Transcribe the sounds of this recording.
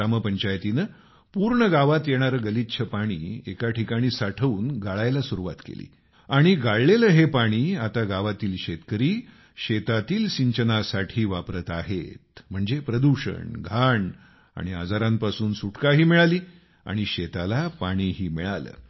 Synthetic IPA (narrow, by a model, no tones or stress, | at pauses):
aməpəɲt͡ɕajt̪inə | puɾɳəɡaʋat̪jeɽ̃aɾəːɡəlit̪ːt͡ɕʰəpaɽ̃iːekaʈʰikaɽ̃iːsaʈʰəuːnɡaɭajlasuɾuʋa̰t̪kḛlḭː | aɽ̃iɡaɭleləːɦepaɽ̃iːat̪aɡaʋat̪iːlɕet̪kəɾiː | ɕet̪at̪iːlɕiɲt͡ɕənasaʈʰiːʋapɾət̪aɦet̪m̤əɳd͡zepɾəd̪uɕə̰ɳɡʱaɳ | a̰ɽ̃ia̰d͡zaɾãmpasuːnsuʈkaɦiːmiɭaliː | a̰ɽ̃iɕet̪alapaɽ̃iːɦiːmiɭalə̰ː